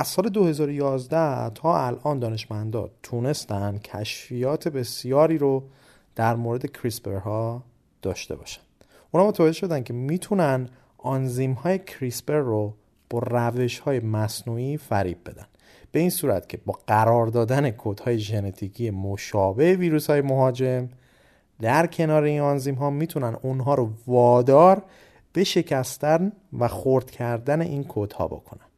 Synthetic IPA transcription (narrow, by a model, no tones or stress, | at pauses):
ʔæzsɒːle̞d̪ohe̞zɒːɾojɒːzd̪æt̪ʰɒːælʔɒːnd̪ɒːne̞ʃmænd̪ɒ̰ːt̪ʰune̞st̪ænd̪̚cʰæʃfijɒːt̪ʰe̞be̞sjɒːɾiːɾo | d̪̥æɾmoːɾe̞d̪e̞cʰɾisbe̞ɾhɒː | d̪̥ɒːʃt̪e̞̰bɒ̰ːʃæ̥nd̪̥ | ʔunhɒːmot̪ævæd͡ʒeʃo̞d̪æncʰe̞miːt̪ʰunæn | ɒnziːmhɒːje̞cʰɾisbe̞ɾːo | b̥ɒːræve̞ʃhɒːje̞mæsnuifæɾḭːb̚be̞d̪æ̰n | b̥e̞insuːɾæ̰t̪cʰe̞bɒːɢæɾɒːɾd̪ɒːd̪æne̞kʰod̪̥hɒːje̞ʒene̞t̪ʰicʰije̞moʃɒːbe̞heviːɾuːshɒːjemo̞ɦɒːd͡ʒe̞m | d̪æɾcʰe̞nɒːɾe̞inɒnzimɦɒːmiːt̪ʰunænunɦɒːɾovɒːd̪ɒːɾ | b̥e̞ʃe̞cʰæst̪æn | væxoɾd̪̥cʰæɾd̪æne̞̰ʔinkʰod̪̥hɒ̰ːbo̰kʰo̞̰næn